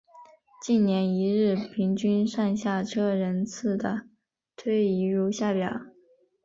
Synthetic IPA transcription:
t͡ɕi˥˩nnjɛ˧˥ni˧˥ɻɻ̩˥˩pʰi˧˥ŋt͡ɕy˥nʂa˥˧nɕja˥˩ʈ͡ʂʰɤ˥ɻə˧˥nt͡sʰɹ̩˥˩d̪ə˩ | t̪ʰwe˥˩ɪi˧˥ɻu˧˥ɕja˥˩pjɑ˨˩˦

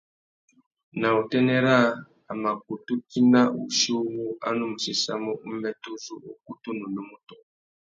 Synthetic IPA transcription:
na˨u˨tɛ˦ne˦ɾaː˦˨ | ma˨ku˨tu˦ti˦na˦ʔu˨ʃu˦wu˦a̰˦no˦mu˨si˨sa̰˦mo˦ʔu˦me˦tu˦zu˦o˨ku˦tu˦nu˨no˦mu˦to˦˨

